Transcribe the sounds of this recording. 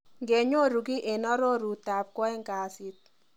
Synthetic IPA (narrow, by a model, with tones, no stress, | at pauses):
ŋɡe˨ɲo˦˨ɾu˨ɡi˦ʔe˨nɔ˦ɾo˦ɾu˨ta˨p̚kɔ˦ɛ˦ŋka˨sɪ˦t̪̚